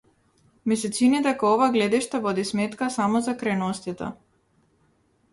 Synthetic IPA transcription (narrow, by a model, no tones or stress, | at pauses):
mɛsɛt̪sinit̪ɛkaɔvaɡlɛd̪ɛʃt̪avɔd̪ismɛt̪kasamɔzakɾɛnɔst̪it̪a̰